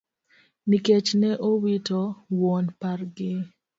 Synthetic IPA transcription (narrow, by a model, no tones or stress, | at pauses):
niket͡ʃnɛʔowitɔwɔnparɡɪ